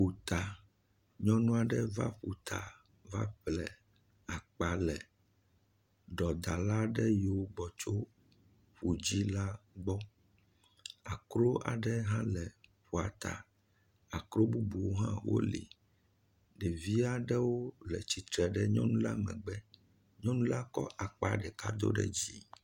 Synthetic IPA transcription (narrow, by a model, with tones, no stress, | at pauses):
ɸu˨t̪a˨ | ɲɔ̃˦nũ˦a˨ɖɛ˦va̰˦ɸu˨t̪ʰa̰˨ | va̰˦ɸlɛ˨ | a˨k͡pa˨lɛ˨ | ɖɔ˨d̪a˨la˦ɖɛ˦ji˨wo˦ɡ͡bɔ˨t͡ʃo˦ | ɸu˨d͡ʑi˦la˦ɡ͡bɔ˦ | a˨kɾo˦a̰˨ɖɛ˦ɦã˦lɛ˨ɸu˨a˨t̪a̰˨ | a˨kɾo˦bu˦bu˨wo˦ɦã̰˦wo̰˦lḭ˨ | ɖɛ˨vi˦a˦ɖɛ˦wo˦lɛ˨t͡ɕi˨t̪ɾɛ˨ɖɛ˦ɲɔ̰̃˦nũ˦la˦mɛ̰̃˨ɡ͡bɛ˦ | ɲɔ̃˦nũ˦la˦kɔ˦ʔa˨k͡pa˨ɖɛ˨ka˦d̪o̰˦ɖɛ̰˦d͡ʑi˦